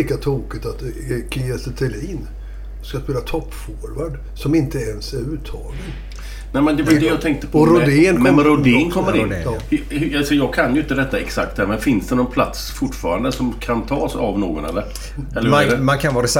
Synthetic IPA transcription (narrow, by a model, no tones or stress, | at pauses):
iːkat̪ʰuːkɪt̪at̪ | kʰɪɛst̪ʰɛliːn | skaspeːlat̪ʰɔpːfɔːɾvaɖ | sɔmɪnt̪əɛnsæɾʉːt̪ʰɑːɡən | nɛɪmɛnd̪ɛfd̪ɛjɑːɡt̪ʰɛŋk̚t̪ə̥pʰɔɾʊd̪enɛɛɾʊd̪ɪːnkʰɔmːəɾɪnːhhasɔjɑːɡ̚kʰanjʏɪnt̪əɾɛt̪ːaɛksak̚t̪hæːɾmɛnfɪnsd̪ɛnɔnpʰlat̪sfʊʈːfɑːɾand̪əsɔmkʰant̪ʰɑːsa̰vnoːɡɔnɛ̰lːəɾ | ɛlːmankʰanvɑːɾɛs